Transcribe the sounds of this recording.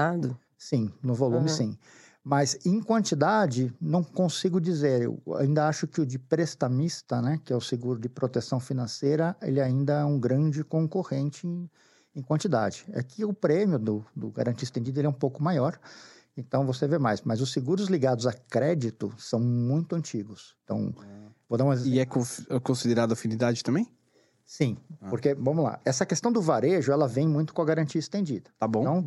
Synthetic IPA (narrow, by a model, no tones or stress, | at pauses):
nad̪ | sĩnʊvolũmɪsĩ | mɐzẽkwɐ̃nt͡ʃid̪ad͡ʒɪnɐ̃w̃kõsiɡʊd͡ʒizeɾḛwa̰ĩnd̪ɐaʃʊkɪʊd͡ʒɪpɾest̪ɐmist̪ɐnɛkɪɛʊseɡuɾʊd͡ʒɪpɾot̪esɐ̃w̃finɐ̃sejɾɐḛlɪaĩnd̪ɐɛũɡɾɐ̃nd͡ʒɪkõŋkohẽnt͡ʃɪẽ | ẽj̃kwɐ̃nt͡ʃid̪a̰d͡ʒɪa̰kʰɪʊpɾẽmjʊd̪ʊd̪ʊɡa̰ɾɐ̃nt͡ʃiɐist̪ẽd͡ʒid̪ɐelɛũpowkʊmajɔɾ | ẽnt̪ɐ̃w̃vosevemajsmɐzʊsːeɡuɾʊzliɡad̪ʊzakɾɛd͡ʒit̪ʊsɐ̃w̃mũj̃t̪ʊɐ̃nt͡ʃiɡʊst̪ɐ̰̃w̃vod̪aũmɐziɛkõfɛkõsid̪eɾad̪ʊɐafĩnid̪ad͡ʒɪt̪ɐ̃mbẽj̃ | sĩpoɾkevɐ̃mʊla̰ɛsɐkest̪ɐ̃w̃d̪ʊvaɾeʒʊɛlɐvẽj̃mũj̃t̪ʊ̥kõɐɡaɾɐ̃nt͡ʃiɐist̪ẽd͡ʒid̪ɐ̃t̪abõɐ̃w̃